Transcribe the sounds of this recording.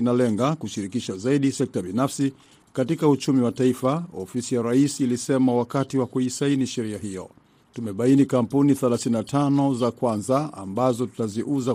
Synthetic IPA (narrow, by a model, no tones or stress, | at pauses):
nalɛŋɡakuʃiɾikiʃazaiɗisɛk̚taɓinafsi | katikaut͡ʃumiwataifaɔfisijaɾaisːlisɛmawakatiwakuisainiʃɛɾiaɦijɔ̰ | tumɛɓainikam̩puniθɛlaθininatʰanɔzakwanzaa̰mbazɔtu̥taziʔuza